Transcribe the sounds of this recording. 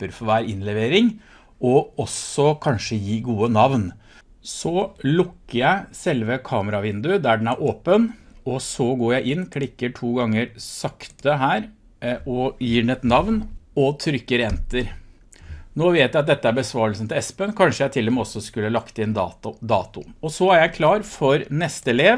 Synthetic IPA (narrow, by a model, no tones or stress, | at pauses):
pːəɾfɔʋæːɾɪnlɛʋeːɾɪŋ | ɔɔsɔkʰɑnʂəjiːɡuːənɑʋn | sɔlʊkːəɾjæɪsɛlʋəkʰɑːməɾɑʋɪnd̪ʉd̪æɖɛnæɾʔoːpənɔsɔɡoːɾjæɪʔɪnːkʰlɪkːəʈʰuːɡɑŋːəɾsɑkt̪əɦæːɾ | ɔjiːɖɛnɛt̪nɑʋnɔt̪ʰɾʏkːəɾɛnt̪əɾ | noːʋeːt̪jæɪɑt̪̚d̪ɛt̪ːəæɾbəsʋɑːɾəlsən̩t̪ɪɛspənkʰɑnʂəjæɪt̪ʰɪlɛmɛɔsːɔskʉlːəlɑkt̪ɪnd̪ɑd̪ɑːt̪ʊ̰ɔsɔæɾjæɪkʰlɑːɾfɔɾnɛst̪əɛleːʋ